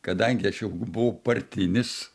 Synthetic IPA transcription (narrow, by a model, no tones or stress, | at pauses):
kɐd̪ɐŋʲɡʲɪɐʃjɛʊbʊʋɐʊpɐrʲt̪ʲɪnʲɪs